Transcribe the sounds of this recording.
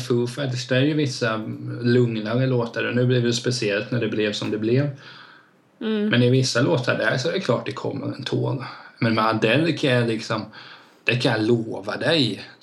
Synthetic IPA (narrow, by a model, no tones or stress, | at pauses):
fɵlfakt̪ɪskd̪æɾjɵvɪsːalɵŋnaɾəloːt̪əɖɛnʉ̟ːblɪvd̪ɛspɛsɪɛlt̪næɖɛblɛvsɔmd̪ɛblɪv | mɛnɪvɪsːaloːt̪əɖæɾʂɔɛɾɛkʰlɑːʈ̚d̪ɛkʰɔ̰mːə̰ɾɛnt̪ʰo̰ːlmɛnmɛand̪ɛlːkʰajalɪksɔm | d̪̥ɛkʰãjaloːvad̪ɛj